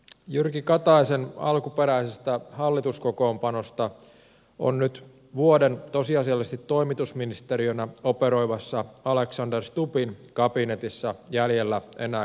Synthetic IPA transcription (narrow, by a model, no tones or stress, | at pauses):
jyrkikɑt̪ɑisenɑ̰lkupe̞ɾæisest̪æhɑlːit̪usko̞ko̞ːmpɑno̞st̪ɑ | o̞̰nnyt̪ | ʋuode̞nt̪o̞siɑsiɑlːest̪it̪ːo̞imit̪usminist̪eɾiønæo̞pe̞ɾo̞ijʋɑsːɑɑle̞ksɑnderst̪upinkɑpinet̪isːɑjæljelːæʔe̞̰næː